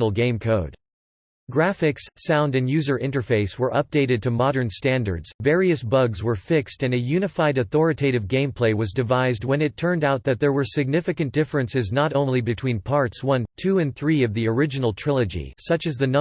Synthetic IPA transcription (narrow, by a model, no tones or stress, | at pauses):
nl̩ˠɡẽɪ̃mkʰoʊd̥ | ɡ̥ɹæfɪksːãʊ̃ndɨ̃njʉzə˞ʔɪ̃ntə˞feɪswə˞ʔʌp̚d̥eɪɾɨd̚tʰɨmɑɾə̃˞nstæ̃ndə̰˞dz̥vɛɹiɨsb̥ʌɡzwə˞fɪkstɨ̃nɨjʉnɨfaɪɾɨθɔɹɨtʰeɪɾɨvɡẽɪ̃mpʰl̥eɪwʌzdɨvaɪzd̚wə̃nɨtʰɜ̃˞ndaʊt̪̚ðɨt̪̚ðə˞wə˞sɨɡ̚nɪfɨkɨ̃nd̥ɪfɹɨ̃nsɨznəɾõʊ̃nlibɨtʰw̥ĩnpʰɑɹtswʌ̃ntʰʉɨ̃nθɹiʌvðiə˞ɪd͡ʒɨnl̩ˠtʰɹ̥ɪlˠɨd͡ʒḭsʌt͡ʃɨzðɨnʌ̃